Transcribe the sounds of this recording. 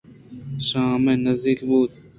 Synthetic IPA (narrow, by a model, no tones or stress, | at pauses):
ɕãːmẽnɐzd̪ikbuːt̪̚